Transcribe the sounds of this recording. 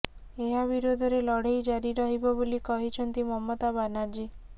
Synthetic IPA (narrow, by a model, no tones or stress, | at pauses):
eɦabiɾod̪ʱɔɾelɔɽ̤ejd͡ʒaɾiɾɔɦibɔbolikɔɦit͡ʃʰɔnt̪imɔmːɔt̪abanad͡ʒi